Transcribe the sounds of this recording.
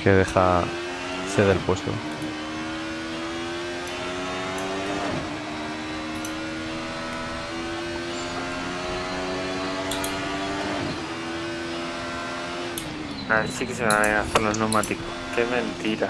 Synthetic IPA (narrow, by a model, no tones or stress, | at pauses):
keðeχa | seðelpwe̞st̪o̰ | naɾsikeseβaneɣaθeloznomat̪ikokemẽnt̪iɾa